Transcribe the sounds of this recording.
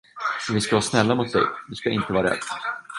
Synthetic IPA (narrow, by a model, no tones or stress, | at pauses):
ɛvɪskavaːsnɛlːamʊt̪̚d̪ɛ̰jd̪ɵskaʔɪ̰nt̪əvɑːɾɛ̰d̪ː